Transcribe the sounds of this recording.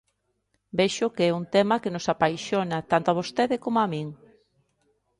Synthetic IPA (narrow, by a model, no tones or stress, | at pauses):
bɛʃʊkeɛuŋt̪ɛmɐkenosapajʃonɐt̪ant̪oaβost̪eðɪkomoamĩŋ